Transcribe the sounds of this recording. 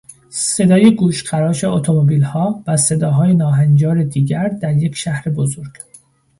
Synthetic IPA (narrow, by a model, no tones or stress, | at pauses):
se̞d̪ɒːjeɡuːʃɢæɾɒːʃeot̪ʰomobiːlhɒːvæse̞d̪ɒːɦɒːjenɒːɦænd͡ʒɒːɾe̞d̪iːɟæɾd̪æɾje̞cʰʃæhɾe̞bozo̞ɾɡ̥